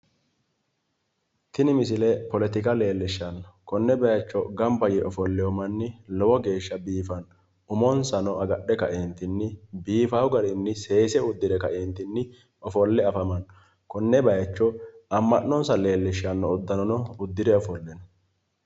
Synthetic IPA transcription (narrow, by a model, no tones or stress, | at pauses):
t̪ɪnɪmɪsɪlɛpɔlɛt̪ɪkɐle̞ːlːɪʃːɐnkɔnːɛbɐjɐt͡ʃːɔɡɐmbɐjɪʔɔfɔlːɛjɔmɐnːɪlɔwɔɡe̞ːʃːɐbiːfɐn | ʊmɔnsɐnɔʔɐɡɐɗːɛkɐʔeːnt̪ɪnːɪbiːfɐwɡɐɾɪnːɪse̞ːsɛʊd̪ːɪd̪ɛkɐʔeːnt̪ɪnːɪ | ɔfɔlːɛɐfɐmɐn | kɔnːɛbɐjɐt͡ʃːɔɐmːɐnːɔnsɐle̞ːlːɪʃːɐnːɔʊd̪ːɐnɔnɔʊd̪ːɪd̪ɛɔfɔlːɛn